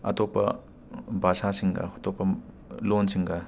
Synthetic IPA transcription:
ɐ̰topːɐ | bʱasasiŋɡɐ̰ɐtopːɐ | lonsiŋɡɐ

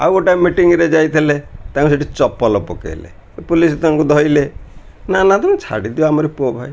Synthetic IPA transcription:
a̰woʈamːiʈiŋɾed͡ʒajt̪ʰilet̪ãŋkus̬eʈit͡ʃɔpːɔlɔpɔkḛlḛ | pulist̪aŋkud̪ʱɔile | nanat̪amẽt͡ʃʰa̰ɽid̪ioamɔɾepobʱaj

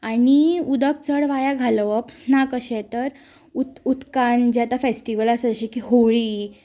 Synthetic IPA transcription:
aniud̪ək̚t͡səɽʋajaɡʱalʋəpnakəɕɛ̃t̪əɾ | ut̪ut̪kand͡ʑat̪afesʈiʋəlasəd͡zəɕikiɦoɭiː

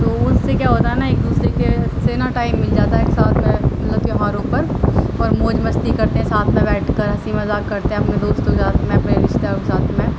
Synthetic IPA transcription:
t̪oːʊssekjaːɦoːt̪aɦɛnaeːk̚d̪uːsɾekeseːnaʈaːɪmːɪld͡ʒaːt̪aɦeksaːt̪ʰmẽmɐt̪ləb̚t̪ijoɦaːɾopəɾɔːɾmoːd͡ʒbɐst̪ikɐɾt̪eɦɛ̃saːt̪ʰmẽbɛːʈʰkəɾɦɐsiːmɐzaːkːɐɾt̪eɦɛ̃ɐpned̪oːst̪oksaːt̪mẽɐpneɾɪʃd̪akesaːt̪ʰmẽ

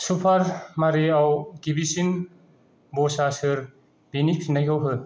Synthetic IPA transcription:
supʰaɾmaɾeawɡibisin | bɔsasɯɾ | b̥iniksnajɡʰawɦɯ

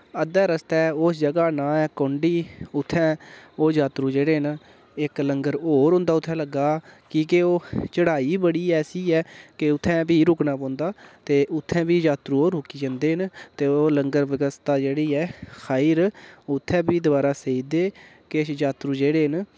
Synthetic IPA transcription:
əd̪ɛːɾəst̪ɛːosd͡ʒəɡaːnãːɛːkõːɳɖiːʊt̪ʰːɛ̃ːoːd͡ʒaːt̪ɾũːd͡ʒeːɽeːɦən | ɪkləŋɡəɾoːɾɦʊ̃ːnd̪aːʊt̪ʰːɛ̃ːləɡːaːkiːkeoːt͡ʃəɽaːiːbəɽiːɛːsiːɛːkeʊt̪ʰːɛ̃ːbiːɾʊknaːpõːnd̪aːt̪eːʔʊt̪ʰːɛ̃ːbiːd͡ʒaːt̪ɾuːoːɾʊkiːd͡ʒãːnd̪eːɦənt̪eːoːləŋɡəɾʋɪɡəst̪aːd͡ʒeːɽiːɛːxʰaːiɾʊt̪ʰːɛ̃ːbiːd̪ʊbaːɾaːseːiːd̪eː | kesd͡ʒaːt̪ɾuːd͡ʒeːɽeːɦən

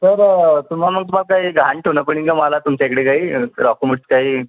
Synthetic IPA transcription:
səɾt̪um̤alməɡ̚t̪um̤alkaɦiɡʱaɳʈɦonəp̬əɽ̃iŋkəmalat̪umt͡ɕaekɽekaɦiːɾɔkuməʈskaɦiː

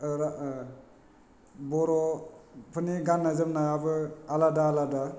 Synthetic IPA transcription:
ɾa | bɔɾɔpʰɯniɡanːazɯmnajabɯaladaːlada

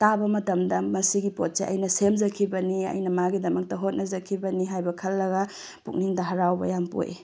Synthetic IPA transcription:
tabɐmɐtɐmdɐmɐsiɡipot̚seʔɐ̰jnɐsemzɐkʰibɐniɐ̰jnɐmaɡidɐmɐk̚tɐɦot̚nɐzɐkʰːibɐniɦajbɐkʰɐlːɐɡa | puk̚niŋdɐɦɐɾawbɐ̰jampo̰jʔḛ

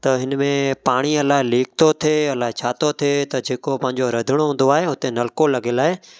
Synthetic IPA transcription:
t̪ɐɦɪnmẽpaːɽ̃iɐlaːɦeliːk̚t̪ot̪ʰeɐlaːɦet͡ɕʰaːt̪ot̪ʰet̪ɐd͡ʑeːkopɐ̃ɦɪ̃ɲ̆d͡ʑoɾɐd̪ʱɪɽ̃oɦũːn̆d̪oaːɦeɦʊt̪enɐlkolɐɡelaːɦe

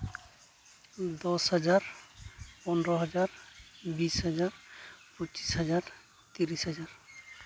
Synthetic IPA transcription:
d̪ɔshɔzaɹ | pɔnɹɔɦɔzaɹbisɦazaɹpɔt͡ʃi̥sɦazaɹ | t̪iɹisɦazaɹ

